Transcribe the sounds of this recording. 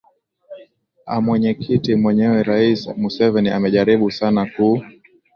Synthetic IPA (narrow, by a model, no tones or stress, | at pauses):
a̰mwɛɲɛkʰitimwɛɲɛwɛɾaismusɛvɛnia̰mɛʄaɾiɓusanaku